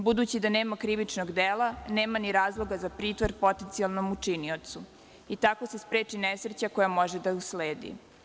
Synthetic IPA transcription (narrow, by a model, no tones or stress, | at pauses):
bud̪uːt͡ɕid̪aneːmakɾiʋit͡ʂnoɡd̪eːlˠaneːmaniɾaːzlˠo̞ɡazapɾiːt̪ʋoɾpo̞t̪ent̪sialˠnomut͡ʂiniot̪su | it̪ako̞se̞spɾeːt͡ʂinesɾet͡ɕakojamo̞ʒed̪ausleːd̪ḭ